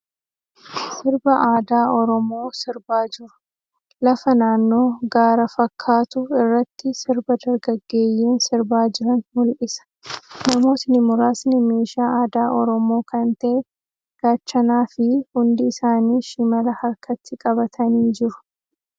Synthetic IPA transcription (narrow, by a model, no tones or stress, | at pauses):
sɪɾbɐʔaːd̪aːɔɾɔmo̞ːsɪɾbaːd͡ʒɪɾʊ̥ | lɐfɐnaːnːo̞ːɡaːɾɐfɐkʰːaːt̪ʊɪrːɐt̪ːɪsɪɾbɐd̪ɐɾɡɐɡːe̞ːjːeːnsɪɾbaːd͡ʒɪɾɐnmʊlʔɪsɐ̥nɐmo̞ːt̪ɪnɪmʊɾaːsnɪme̞ːʃaːʔaːd̪aːʔɔɾɔmo̞ːkɐnt̪ɐʔɛ | ɡ̥aːt͡ʃːɐnaːfɪhʊnd̪ɪːsaːniːʃɪmɐlɐhɐɾkʰɐt̪ːɪkʼɐbɐt̪ʰɐniːd͡ʒɪɾʊ̥